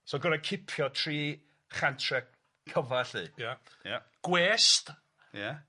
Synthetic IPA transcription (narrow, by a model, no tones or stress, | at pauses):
soːɡəɾakʰɪpʰjɔtʰriː | χantʰrɛ | kʰːəvaɬḭːjaja | ɡ̥wɛːst | ja